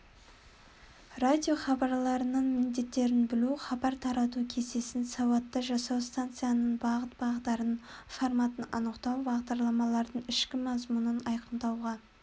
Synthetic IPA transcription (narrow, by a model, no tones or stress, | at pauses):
rad̪ʲjo̞χɑbɑɾlˠɑɾənəɴmɪnd̪e̞t̪ːe̞ɾɪnbɪluχɑbɑɾt̪ʰɑɾɑt̪̬ukʲʰe̞se̞sɪnsɑwɑt̪ːɑʒɑsɑwst̪ant̪sɨjanəɴbɑʁət̪bɑʁət̪ːɑɾənfoɾmat̪ənɑnəqt̪ɑwbɑʁd̪ɑɾlˠɑmɑlˠɑɾd̪əɴɪʃkʲɪmɑzmunənɑjqəmd̪ɑwʁɑ